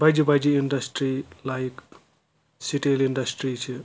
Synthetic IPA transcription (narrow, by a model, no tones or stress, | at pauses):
bajd͡ʒibajd͡ʒiiɳɖɐsʈɾilajk | siʈiliɳɖɐsʈɾit͡ʃʰi